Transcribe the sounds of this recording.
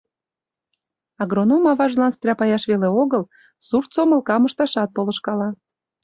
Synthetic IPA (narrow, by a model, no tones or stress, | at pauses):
ɑɣronomɑβɑʒlɑnst̪ɾʲɑpɑjɑʃβeleoɣəl | surt̪soməlˠkɑməʃt̪ɑʃɑt̪̚poləʃkɑlɑ